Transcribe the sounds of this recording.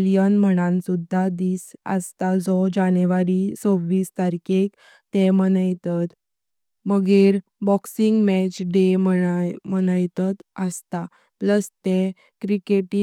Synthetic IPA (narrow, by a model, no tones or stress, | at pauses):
lijənm̤əɽ̃ãnsud̪ʱːad̪iːsə̰st̪ad͡zɔd͡ʑaneʋaɾisoʋːiːst̪aɾikʰek | t̪emənəjt̪ət̪ | məɡeɾ | bɔksiŋɡmɛt͡ɕɖeməmənəjt̪ət̪əst̪a | pləst̪e | kɾikeʈi